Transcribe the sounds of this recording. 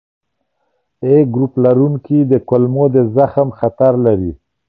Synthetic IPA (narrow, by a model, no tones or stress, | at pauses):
eɡɾuplaɾuŋkid̪əkʊlmod̪əzaxəmxat̪aɾlaɾi